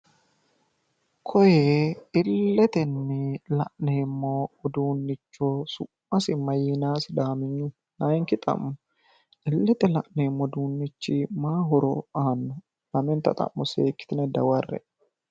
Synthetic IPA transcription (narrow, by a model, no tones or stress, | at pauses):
kʰɔjeɪlːɛt̪ɛnːɪlɐ̰ʔneːmːoːd̪uːnːɪt͡ʃːoːsʊmːɐsɪmːɐjinaːsɪd̪aːmɪɲːʊ | naːŋkɪt̪ʼɐ̰mːʊ | ɪlːɛt̪ɛlɐʔneːmːɔd̪uːnːɪt͡ʃːimaːɦɔɾɔ̰aːnːɔ | lɐmɛnt̪ɐ̰t̪ʼɐ̰mːɔseːkːɪ̥t̪ɪnɛd̪ɐwɐrːɛ̰